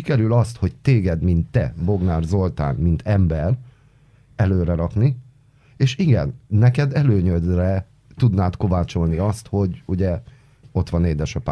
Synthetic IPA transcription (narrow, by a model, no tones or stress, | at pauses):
ikɛɾylɒst̪ho̞ct̪eːɡɛd̪mint̪ːɛ̰bo̞ɡnaːrzo̞lt̪a̰ːnmint̪ʰɛmbɛr | ɛløːɾɛɾɒkni | eːʃiɡɛ̰nːɛkɛd̪ɛløːɲød̪rɛ | t̪ud̪naːt̪ko̞vaːt͡ʃo̞lniɒst̪ho̞ɟuɟɛ | o̞t̪ʋɒneːd̪ɛʃɒpa